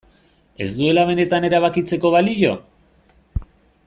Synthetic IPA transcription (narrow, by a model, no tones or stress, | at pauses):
e̞zd̪ue̞laβe̞ne̞t̪ane̞ɾaβ̞akit͡se̞ko̞βaliʎo̞